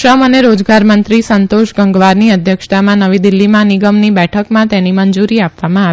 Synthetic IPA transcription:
ʃəməneɾod͡ʒɡaɾmənt̪ɾisənt̪oʃɡəŋɡʋaɾniəd̪ʱjəkʃt̪amãnəʋid̪ɪlːimãnɪɡəmnibɛʈʰəkmãt̪enimənd͡ʒuɾiapʋamãa

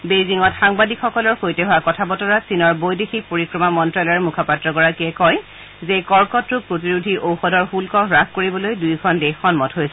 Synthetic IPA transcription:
bejziŋɔtxaŋbadikxɔkɔlɔɹxojtɛɦʊakɔtʰabɔtɔɹasinɔɹbojdexik̚poɹikɹɔmamɔntɹalɔɹmukʰapatːɹɔkɔɹakɛkɔj | zekɔɹkɔtɹuk̚pɹotiɹudʱiʔowxɔdɔɹxulkɔɹakkoɹibɔlojdujkʰɔndexɔnmɔtɦojsɛ

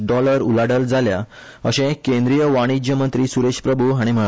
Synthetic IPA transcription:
ɖɔləɾṵlaɽəld͡zʱalja | əɕɛ̃kẽnd̪ɾijəʋaɽ̃id͡ʑjəmənt̪ɾiːsuɾeɕpɾəbʱuɦaɽ̃im̤ə

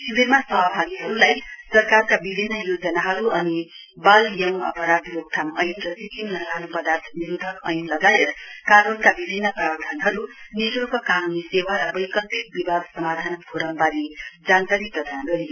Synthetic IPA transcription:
sibiɾmasʌɦbʱaɡiɦʌɾulajsʌɾkaɾkabibʱinːʌjod͡zʌnaɦʌɾuʌni | baljʌŋʌ̰pʌɾad̪ɾok̚t̪ʰamʌjunɾʌsikimlʌkanupʌd̪art̪ʰniɾud̪ʱʌkʌjunlʌɡajet̪kanunkabibʱinːʌpɾawd̪ʱanɦʌɾuniɾukʌkanunisewaɾʌbʌjkʌlpit̪̚bibʱad̪sʌmad̪ʱanɡʱoɾʌmbaɾid͡zankaɾipʌd̪ʱanɡʌɾi

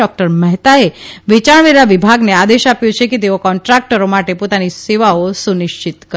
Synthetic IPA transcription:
ɔk̚ʈəɾməɦt̪aeʋit͡ʃaɳʋeɾaʋibʱaɡnead̪eʃapjũt͡ʃʰekit̪eokɔɳʈɾak̚ʈəɾomaʈepot̪aniseʋaosuniʃt͡ʃit̪kə

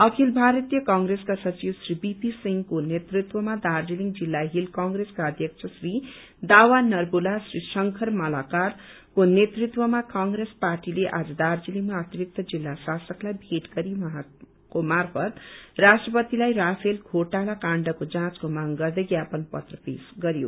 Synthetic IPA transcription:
ʌkʰilbʱaɾʌt̪ijʌkaŋɡɾeskasʌt͡siwsribipisiŋɡkonet̪rit̪wʌmad̪ard͡ziliŋd͡zilːaɦilkaŋɡreskaʌd̪ʱjʌkt͡sʰʌsri | d̪awanʌrbulasrisʌŋkʰʌrmʌlakar | konet̪rit̪wʌmakaŋɡɾesparʈileʔad͡zʌd̪ard͡ziliŋmaʌt̪iɾik̚t̪ʌd͡zilːasasʌklajbʱeʈɡʌɾiwʌɦã | komarpʰʌt̪rasʈrʌpʌt̪ilajrapʰelkʰoʈalakaɳɖʌkod͡zãt͡skomaŋɡʌrd̪ʌjɡjapʌnpʌ̰t̪rʌpesɡʌɾjo̰

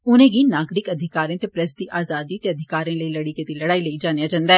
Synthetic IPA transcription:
ʊnẽɡinaːɡɾɪkɐd̪ʱɪkaːɾẽt̪epɾɐsd̪iʔaːzaːd̪it̪eɐd̪ʱɪkaːɾẽləilɐɽiket̪ilɐɽaːiləid͡ʒaːnejad͡ʒãːnd̪aɛː

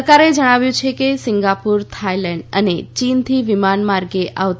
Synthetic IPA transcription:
kaɾed͡ʒəɽ̃aʋjũt͡ʃʰekesɪŋɡapuɾt̪ʰajlɛɳɖə̰net͡ʃint̪ʰiʋimanmaɾɡeʔa̰ʋt̪

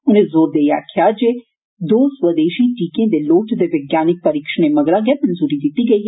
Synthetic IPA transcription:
ʊnẽzoːɾd̪eːjakʰɪad͡ʒe | d̪oːswəd̪eːʃiʈiːkẽd̪eloːʈd̪eʋɪɡjaːnɪk̚pɐɾiːkʃəñemɐɡɾãɡemɐnzuːɾid̪ɪt̪iɡɐiːɦ

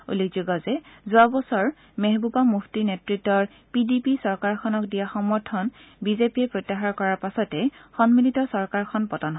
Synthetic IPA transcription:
ṵlekʰzuɡɔzɛzuabɔsɔɹ | meɦbupamuxʰtinetɹitːɔɹ | pidipisɔɹkaɹkʰɔnɔkdijaxɔmɔɹtʰɔnbizepiɛpɹotːaxaɹkɔɹaɹpasɔtɛxɔnmilitɔsɔɹkaɹkʰɔnpɔtɔnɦ

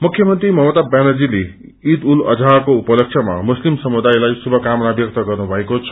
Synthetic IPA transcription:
mukʰjʌmʌnt̪rimʌɦmʌt̪abjanʌd͡zile | id̪ulʌ̰d͡zʱakoupʌlʌksʰʌma̰muslimsʌmud̪ajlajsubʱʌkamʌnabjʌk̚t̪ʌɡʌrnubʱʌekot͡sʰʌ̥

